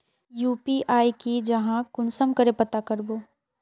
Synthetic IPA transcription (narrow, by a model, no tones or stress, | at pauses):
juːpiʔaːjkid͡ʒɐɦãkʊnsəmkəɾepɐt̪akɐɾboː